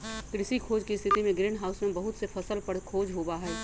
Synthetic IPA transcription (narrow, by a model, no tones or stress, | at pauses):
kɾɪsikʰoːd͡ʒkist̪ʰɪt̪imẽɡɾɪːɳɖɦaːʊsmẽbɐɦʊt̪sepʰɐsəlpəɽkʰoːd͡ʒɦoːbaɦɛː